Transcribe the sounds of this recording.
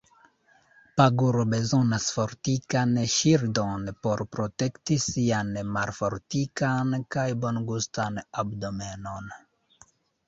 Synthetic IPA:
paɡuɾobezɔ̃nasfɔɾt̪ikaneʃiɾd̪ɔnpɔɾpɾɔt̪ɛkt̪isianemaɾfɔɾt̪ikankajbɔnɡust̪anabd̪ɔmɛnɔn

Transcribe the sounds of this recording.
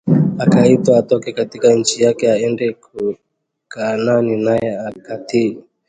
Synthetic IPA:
akaitwaatɔkɛkatikaɲ̩t͡ʃijakɛaɛndɛku | kananinajɛakati

